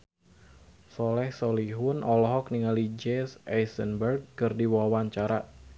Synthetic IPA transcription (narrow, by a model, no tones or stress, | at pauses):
sɔlɛhsɔliɦʊnʔɔlɔɦɔk̚niŋalid͡ʒɛsajsənbərɡ̚kɨrdiwawaɲt͡ʃaɾa